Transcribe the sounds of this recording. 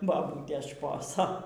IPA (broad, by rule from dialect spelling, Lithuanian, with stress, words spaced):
bɐˈbuːtʲeːs ˈʃpoːsoː